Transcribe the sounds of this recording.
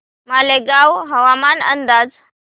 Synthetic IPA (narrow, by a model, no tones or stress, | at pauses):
maːleɡaːʋɦɐʋaːmaːnə̃nd̪aːd͡z